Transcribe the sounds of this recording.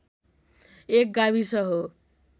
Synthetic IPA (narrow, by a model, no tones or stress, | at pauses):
ek̚ɡabisʌɦo